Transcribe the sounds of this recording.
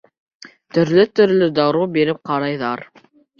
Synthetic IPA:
t̪ɵ̆ɾlɘt̪ɵ̆ɾlɵd̪ɑɾubiɾɘp̚qɑɾɑjðɑɾ

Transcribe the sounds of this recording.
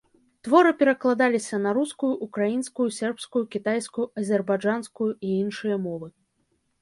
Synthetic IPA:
t̪vɔɾɨpʲɛɾɐklˠad̪alʲisʲɐnɐɾuskujuʔukɾajinskujusʲɛrpskujukʲit̪ajskujuʔɐzʲɛrbad͡ʐanskujuiinʂɨjɐmɔvɨ

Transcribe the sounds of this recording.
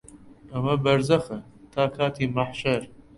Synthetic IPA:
ʔɐmɐbɐɾzɐxɐt̪ʰaːkʰaːt̪ʰiːmaħʃɐɾ

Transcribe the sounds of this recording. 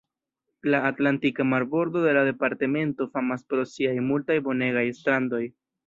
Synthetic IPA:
laːtlantikamaɾbo̞ɾd̪o̞de̞lade̞paɾte̞me̞nto̞famaspɾo̞siajmultajbo̞ne̞ɡajstɾando̞j

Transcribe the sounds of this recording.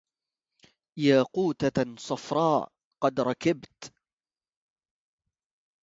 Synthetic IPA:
jaːquːt̪asˤɑfɾˤɑːʔ | qɑd̪ɾˤɑkɪbt̪

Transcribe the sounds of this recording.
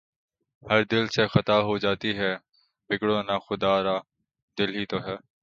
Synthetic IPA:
hɐɾd̪ɪlsexət̪aːɦod͡ʒaːt̪iɦɛː | bɪkɽõːnaxʊd̪aːɾaː | d̪ɪlɦiːt̪oɦɛː

